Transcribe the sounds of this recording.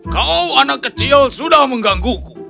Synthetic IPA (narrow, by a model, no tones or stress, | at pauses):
kaɔuanakat͡ʃijazuɗamuŋɡaŋɡuku